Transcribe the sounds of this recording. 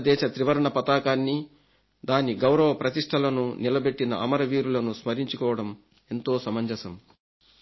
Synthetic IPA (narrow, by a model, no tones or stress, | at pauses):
d̪ɛːʃɐt̪ɾiʋɐɾɐɳɐpɐt̪aːkaːnːi | d̪aːniɡɐwɾɐʋɐpɾɐt̪iʂʈʰɐlɐnunilɐbe̞ʈːinɐʔɐmɐɾɐʋiːɾulɐnusmɐɾiɲt͡ʃukɔːʋɐɽɐm | e̞nt̪o̞ːsɐmɐɲd͡ʒɐsɐm